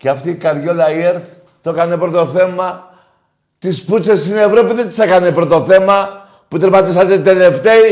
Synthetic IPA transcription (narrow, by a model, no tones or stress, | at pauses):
ceɐft̪iːkɐɾʝo̞lɐieɾθ | t̪okɐnepɾo̞t̪o̞θe̞mɐ | t̪isput͡sest̪ine̞vɾo̞piðet̪sekɐnepɾot̪o̞θe̞mɐ | put̪eɾmɐt̪isɐt̪et̪e̞le̞ft̪e̞i